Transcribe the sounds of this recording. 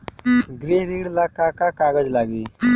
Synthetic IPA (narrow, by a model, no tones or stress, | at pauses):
ɡɾeɦɾiːɽlakakakaːɡəd͡ʒlaːɡiː